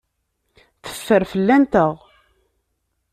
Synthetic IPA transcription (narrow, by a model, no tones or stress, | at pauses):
θə̥fːəɾfəlːænt̪əʁ